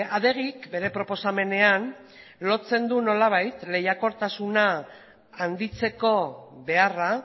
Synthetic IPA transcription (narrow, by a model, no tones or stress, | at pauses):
aðe̞ɣ̞ikbe̞ɾe̞pɾo̞po̞same̞ne̞an | lo̞t͡se̞nd̪uno̞laβ̞ajt̪le̞jako̞ɾt̪asunaː | nd̪it͡se̞ko̞βe̞ara